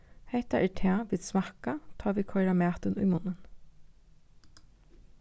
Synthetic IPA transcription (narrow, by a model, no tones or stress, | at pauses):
hɛht̪aʔɛːʈʰɛːʋiːd̪smakat̪ʰɑːʋiːkʰɔʏɾamæːt̪ənʊjmʊnən